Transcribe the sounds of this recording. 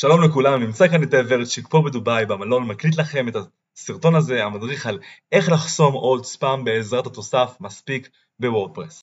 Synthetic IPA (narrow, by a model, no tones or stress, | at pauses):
ʃalo̞mle̞kulamnimt͡sakaneteveʁet̪ʃikpobed̪ubajbamalo̞nmaklit̬laχe̞met̪a | siʁt̪o̞naze̞amadʁiχale̞χlaχso̞mo̞spaːmbe̞ːzʁatat̪o̞safmaspik | bewoʁd̪̚pʁes